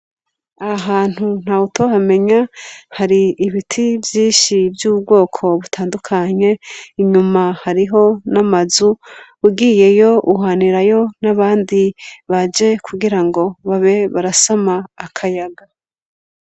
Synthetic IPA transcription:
aaɦaːn̥hun̥hautʰohame̞ɲahaɾiːβitʰivjiːʃivjuːbɡo̞ːkʰo̞βutʰaːndukʰaɲe̞iɲumahaɾiɦo̞namazuuɡije̞jo̞uɦaniɾajo̞naβaːndiβad͡ʒe̞kʰuɡiɾaŋɡo̞βaβe̞βaɾasamaːkʰajaɡa

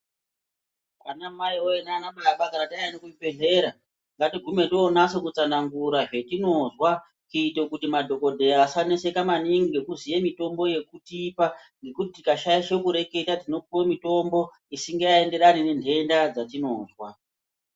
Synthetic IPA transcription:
a̰namaiojenaːnaɓaɓakaɾatanokuibeɮe̞ːɾa | ŋɡatiɡʱume̞toːnasokut͡sanaŋɡuɾaʐe̞tino̞zwa | kiite̞kutimadʱo̞ko̞dʱe̞asanese̞kamaniŋɡiɡekuzijemito̞mbo̞je̞kutipaŋɡe̞kutitikaʃajiʃe̞kuɾe̞ke̞tatino̞piwo̞mito̞mbo̞ | isiŋɡejaende̞ɾanine̞ndʱe̞ndad͡zatino̞ːzwa

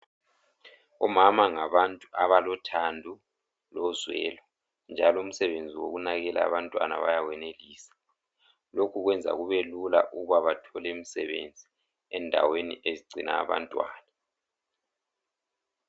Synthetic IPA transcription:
ɔmamaŋaβantʼuʔaβalɔtʰandʱu | lɔzwɛ̰ːlɔ | nd͡ʒʱalɔum̩sɛβend͡zʱiwo̰ɣunaɣɛla̰ːβantʼwana̰βa̰jawɛneliːsḁ | lokʰuɣwɛnd͡zʱa̰ɣuβelula̰ʔuɣuβaβatʰɔlɛmisɛβḛnd͡zʱi | ɛndʱa̰wenḭʔeziɡ͡ǀʱina̰ːβa̰ntʼwa̰ːna

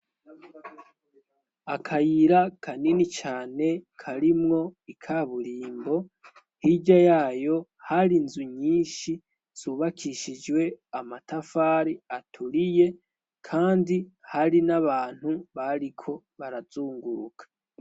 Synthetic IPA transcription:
akʰajiɾakʰaninit͡ʃaːne̞kʰaɾimŋo̞ikʰaβuɾiːmbo̞ | hiɟajaːjo̞haɾinzuɲiːnʃi | z̥uːβakʰiʃid͡ʒwe̞amatafaːɾiatʰuɾije̞ | kʰaːndihaɾinaβaːn̥huβaɾikʰo̞ | βaɾaz̥uːŋɡuɾukʰḁ

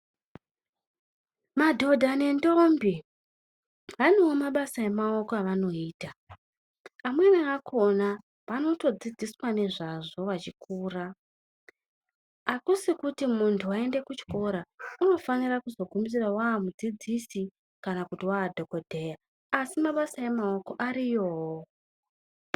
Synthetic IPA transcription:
madʱo̞dʱane̞ndombi | ʋanewomaɓasae̞mao̞koaʋano̞iːta | mwe̞niakʰo̞na | pano̞to̞d͡zid͡ziswane̞ʐaʐo̞ʋat͡ʃikuːra | akusikutimuntʰuae̞nde̞kut͡ʃi̥ko̞ɾauno̞fanirakuzo̞ɡʱumis̬irawaːmud͡zid͡zisi | kanakutiwaːdʱo̞ko̞dʱe̞ja | asimaɓasaje̞mao̞ko̞ʔaɾijo̞ːɦo

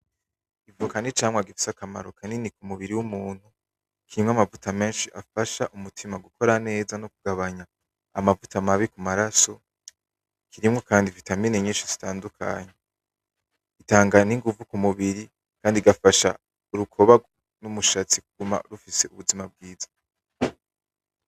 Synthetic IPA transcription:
ivukanit͡ʃaːmwaɡifi̥sakama̰ɾokʰaninikumuβiɾiwumuːn̥hu | kʰiɾimŋamavutʰame̞ːnʃiʔafaʃaʔumutʰimaɡukʰo̞ɾane̞ːzanokuɡ̥aβaɲaː | mavutamaβikumaɾaso̞ | kʰiɾimŋo̞kaːndivitamineɲiːnʃiz̥itaːndukʰa̰ɲe | itaːŋɡaniŋɡuvukumuβiɾi | kaːndiɡafaʃa̰ | uɾukʰo̞βaɡ | numuʃat͡sikuɡ̥uma̰ɾufise̞uβuzimab̚ɡiːzḁ

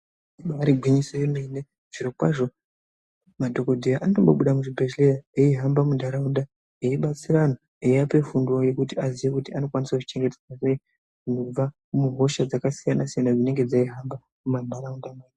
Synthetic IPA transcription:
iɓaaɾiɡʱwiɲisejemene | ʐ̥iɾo̞kwaʐo̞ | madʱo̞ko̞dʱejaʔanotomboɓuɗamuʐibʱeʃlejaeiɦambamundʱaɾaunda | eiɓat͡sirano | eiape̞funduoje̞kutiaziʋekutiano̞kwanisakut͡ʃi̥t͡ʃe̞ŋɡe̞ted͡zasei | kunob͡va | muɦo̞ʃad͡zakasijanasijanad͡zine̞ŋɡe̞d͡zaiɦamba | mumandʱaɾaundamaːj

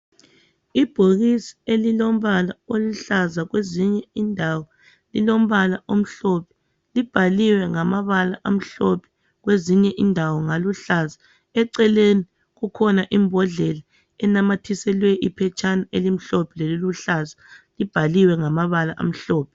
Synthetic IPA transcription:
ib̥ʱoɣisi̥elilom̩βalaoluɬazaɣweziɲɛindʱawɔ | lilom̩βalaʔom̩ɬɔpʰɛ̥ | lib̥ʱaliwɛŋamaβalaʔam̩ɬɔpʰɛ̥ | ɣweziɲɛʔindʱawɔŋaluɬaza | ɛǀɛleni | ɣukʰɔnaʔimbʱɔɮɛla | ɛnamatʰisɛlwɛʔipʰɛt͡ʃʰʼanaelim̩ɬɔpʰɛleluluɬazalib̥ʱaliwɛŋamaβalaʔa̰m̩ɬɔːpʰɛ̥

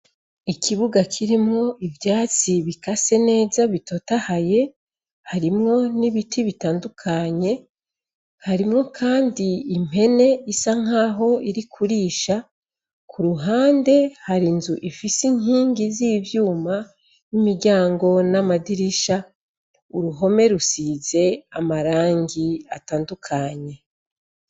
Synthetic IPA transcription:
ikʰiβuɡakʰiɾimŋo̞ʔivjaːt͡siβikase̞ne̞ːzaβito̞tahaje̞ | haɾimŋo̞niβitʰiβitaːndukʰaɲe̞ | haɾimŋo̞kʰaːndiːm̥he̞ne̞isaŋ̥aːɦo̞iɾikʰuɾiːʃa | kʰuɾuɦaːnde̞haɾinzuʔifisiɲiːŋɡizivjuːma | nimiɾɟaːŋɡo̞namadiɾiʃa | uɾuɦo̞me̞ɾusize̞amaɾaːŋɡiataːndukʰaɲe̞

